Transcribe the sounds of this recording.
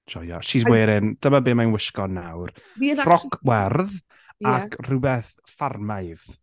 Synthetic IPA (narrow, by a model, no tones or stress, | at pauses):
d͡ʒɔja̰ʃisweːɾɪnd̥əmabeːmajnwɪʃkɔnawrfrɔkʰwɛrð | akʰr̥ʊbɛθ | farmajv̥